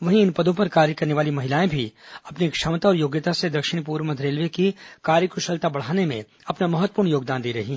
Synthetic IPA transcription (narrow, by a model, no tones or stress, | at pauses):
ʋɐɦĩɪnpɐd̪õpɐɾkaːɾjəkɐɾneʋaːlimɐɦɪlaːẽbʱiɐpnikʃɐmt̪aɔːɾjoːɡjət̪ased̪ɐkʃɪɽ̃p̬uːɾʋməd̪ɾeːlʋekikaːɾjəkɾʊʃəlt̪abɐɽ̤aːnemḛ̃ | ɐpnamɐɦət̪ːəpuːɾɽɳjoːɡd̪aːnd̪iːɾɐɦĩ